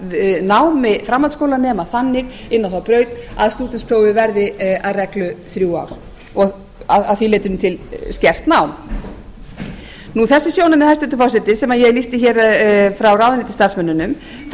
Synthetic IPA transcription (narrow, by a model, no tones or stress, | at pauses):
naːwmɪfɾamːalt̪skowlanɛːmaθanːɪɣɪnːawθawpɾœːɥt̪aðst̪uːt̪ɪnspʰɾowvɪvɛɾðɪaðrɛklʏθɾjuːa̰wɾ̥ | ɔɣ | aaðfileːjt̪ʏnmt̪ʰɪlscɛr̥t̪naːwm | nuθɛsːɪsjownamɛðhajst̪ʏnt̪ʏfawsɪt̪ɪsɛmaðjɛɣlist̪ɪçɛːɾfɾawrawvðɪnɪt̪ɪ̥st̪aɾ̥smɛnːʏnʏm | θ